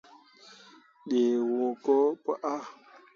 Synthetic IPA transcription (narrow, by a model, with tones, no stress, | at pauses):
ɗe˨wo˨ko˦pə˦ʔa˦